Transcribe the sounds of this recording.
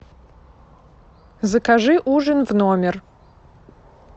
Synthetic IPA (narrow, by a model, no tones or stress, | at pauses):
zɐkʰaʐɨʔuʐənvnoːmʲɛr